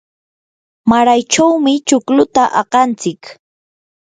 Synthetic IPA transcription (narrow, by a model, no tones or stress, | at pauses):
maɾajt͡ʃawmɪt͡ʃʊklʊt̪aʔɑqɑnt͡sɪk